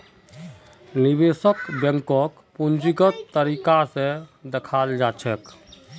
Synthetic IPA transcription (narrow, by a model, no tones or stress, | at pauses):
nibesəkbjə̃ŋkək | pund͡ʒiɡət̪t̪ːəɾikasẽd̪ekʰald͡ʒat͡ʃʰɛk